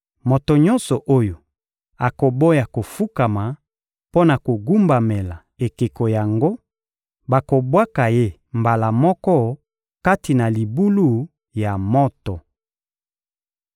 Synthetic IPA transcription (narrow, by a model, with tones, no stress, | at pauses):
mo˨to˨ɲɔ̃˦nsɔ˨ʔo˦jo˨ | a˨ko˨bo˦ja˨ko˨fu˦ka˨ma˨ | po˦na˨ko˨ɡu˦mba˨me˨la˨ | e˨ke˨ko˨ja˨ŋɡo˦ | ba˨ko˨bwa˦ka˨je˦ | mba˨la˨mɔ˦kɔ˦ | ka˦ti˨na˨li˨bu˦lu˦˨ | ja˨mɔ˦tɔ˨